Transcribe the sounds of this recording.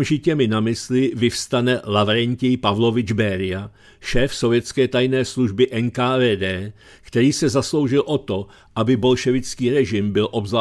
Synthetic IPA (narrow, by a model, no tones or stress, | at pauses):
mʒɪcɛmɪnamɪslɪvɪfst̪anɛlavɾɛɲcɪjpavlo̞vɪd͡ʒbɛːɾɪa | ʃɛːfsovjɛt̪t͡skɛːt̪ajnɛːsluʒbɪʔɛnkaːvɛːdɛː | kt̪ɛɾiːsɛzaslo̞wʒɪlʔo̞t̪o̞ | ʔabɪbo̞lʃɛvɪt͡skiːɾɛʒɪmbɪlʔo̞bzla